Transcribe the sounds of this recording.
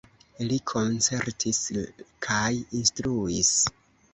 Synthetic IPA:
likʰo̞nt͡se̞ɾtʰiskʰajinstɾuis

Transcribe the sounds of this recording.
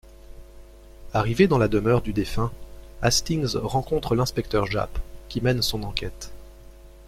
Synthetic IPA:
aʁived̪ɑ̃lad̪əmœʁd̪yd̪efɛ̃ast̪iŋzʁɑ̃kɔ̃t̪χəlɛ̃spɛk̚t̪œʁʒa̰pkʲimɛnsɔ̃nɑ̃kʲɛt̪

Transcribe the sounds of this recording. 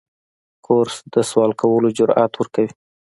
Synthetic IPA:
kʰoɾsd̪əswɑlkawəlod͡ʒʊɾɑ̰t̪wəɾkawi

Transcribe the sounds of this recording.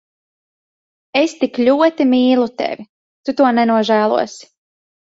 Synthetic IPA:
est̪iklʲuɔt̪imiːlˠut̪ḛvʲi | t̪ut̪uɔnɛnuɔʒæːlˠṵɔsi̥

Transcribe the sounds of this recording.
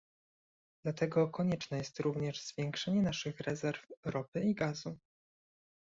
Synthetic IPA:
d̪̥lat̪ɛɡɔkɔɲɛt͡ʂnɛjɛst̪ɾuvɲɛʐz̥vʲjɛŋkʂɛɲɛnaʂɘxɾɛzɛɾfɾɔpɘiɡazu

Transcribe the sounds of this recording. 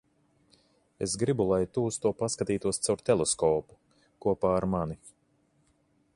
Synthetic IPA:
esɡɾibulˠajt̪uːst̪uɔpaskat̪iːt̪uɔst̪sawɾt̪ɛlˠeskɔːpu̥ | kuɔpaːɾmani

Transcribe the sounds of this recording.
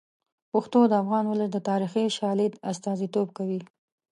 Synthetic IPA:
pʊxt̪od̪əafɣɑnwʊlət̪̚d̪ət̪ɑɾixiʃɑlɪd̪ast̪ɑzit̪ob̚kawi

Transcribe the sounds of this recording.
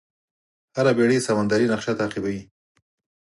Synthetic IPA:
haɾabeɽesamand̪aɾinaqʃat̪aːqɪbawi

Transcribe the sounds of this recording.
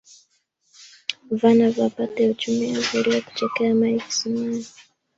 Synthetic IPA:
vanavapatɛut͡ʃumɛavuɾiwaku̥t͡ʃɛkɛamaiki̥simaji

